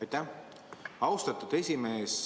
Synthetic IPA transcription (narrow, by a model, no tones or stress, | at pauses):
jt̪ːæ | ɑwst̪ɑt̪ːˑud̪̥e̞sʲimeːs